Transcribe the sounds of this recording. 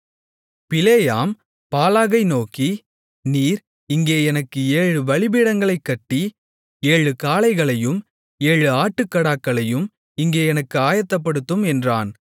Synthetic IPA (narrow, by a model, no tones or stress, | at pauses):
pɪleːjaːm | paːlaːɣɐɪnoːkːi | niːɾ | ɪŋɡeːɛnɐkːɯeːɻɯʋɐɭɪbɪɽɐŋɡɐɭɐɪkːɐʈːi | eːɻɯkaːlɐɪɣɐɭɐjɯm | eːɻɯaːʈːɯkːɐɽaːkːɐɭɐjɯm | ɪŋɡeːɛnɐkːɯaːjɐt̪ːɐp̬ːɐɽɯt̪ːɯmɛndraːn